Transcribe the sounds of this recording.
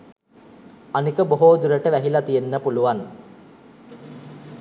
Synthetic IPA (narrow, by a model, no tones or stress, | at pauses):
anikəboɦoːd̪uɾəʈəʋæɦilat̪ijenːəpuluʋan